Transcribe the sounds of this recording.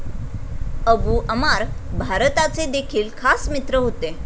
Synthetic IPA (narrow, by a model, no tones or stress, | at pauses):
əbuːʔəmaɾbʱaɾət̪at͡sed̪ekʰiːlkʰasmit̪ɾəɦot̪e